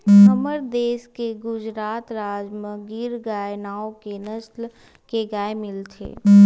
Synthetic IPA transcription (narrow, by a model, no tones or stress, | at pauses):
ɦəməɾd̪eːskeɡʊd͡ʒɾaːt̪ɾaːd͡ʒməɡiɾɡaːenaːokenəsl | keɡaːemɪlt̪ʰḛː